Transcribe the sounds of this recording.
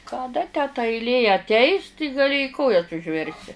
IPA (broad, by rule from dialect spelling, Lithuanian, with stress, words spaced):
kɐˈdɐ tʲæː tɐ ɐɪlʲˈeː ɐtʲˈɛɪs tʲɪ ɡɐˈlʲɪ ɪ ˈkoːjɛs ʊʒʲˈʋʲɛrʲsʲɪ